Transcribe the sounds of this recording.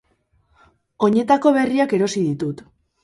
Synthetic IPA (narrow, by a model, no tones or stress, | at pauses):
o̞ɲe̞t̪ako̞βe̞riake̞ɾo̞sið̞it̪ut̪